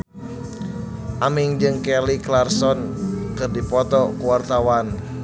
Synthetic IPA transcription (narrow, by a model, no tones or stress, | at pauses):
ʔamiŋd͡ʒɨŋkɛliklarsɔnkɨrdipɔt̪ɔkuwart̪awan